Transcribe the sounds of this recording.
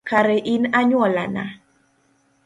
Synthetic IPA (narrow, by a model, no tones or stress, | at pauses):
kaɾɛʔɪnaɲwɔla̰na̰